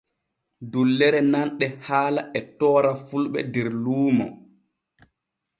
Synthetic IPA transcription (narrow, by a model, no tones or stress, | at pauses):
dulːɛɾɛnanɗɛhaːlaʔɛtɔːɾafulɓɛ̰dɛɾluːmɔ̰